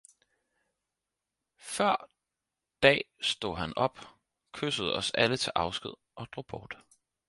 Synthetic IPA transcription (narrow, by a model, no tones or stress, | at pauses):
fɶɐ̰ | d̥ɛ̰ːsd̥o̝̰ɦænɒ̽b̥ | kʰøsəð̞̩ˠɒ̽sælət͡sʰe̝lʔɑ̈ʊsɡ̥ið̞̰ˠʔɒ̽d̥ʁo̝̰ːb̥ɒːd̥